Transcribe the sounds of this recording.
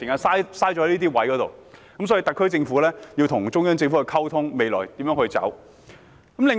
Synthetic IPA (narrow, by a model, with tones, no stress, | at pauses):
i˨˩ŋkaː˧nsaː˥jsaː˥jt͡ɕɔː˧˥ɐ˦˥liː˥t̪iː˥wɐ˨˥jkɔː˨˥t̪o̰˨wkɐ˨˦msɔː˨˥ji˧t̪ɐ˨kʰːɵ˥ɥt͡sɪ˧ŋfuː˨˥lɛː˥jiː˧wt̪ʰʊ˨˩ŋt͡sʊ˥ŋjɐ˥nt͡sɪ˧ŋfu˨˥hɵ˧jkʰɐ˥wt̪ʰʊ˥ŋme˨jlɔː˨˩jt̪iː˨˥mjœː˨˧˥ŋhɵ˧ɥt͡sɐ̰˨˥w | kɐ˨˥mlɪ˨˧ŋ